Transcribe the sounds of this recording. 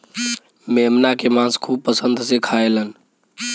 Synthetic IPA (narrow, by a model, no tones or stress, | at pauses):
memnakemãskʰub̚pːəsənd̪ʱsekʰaelən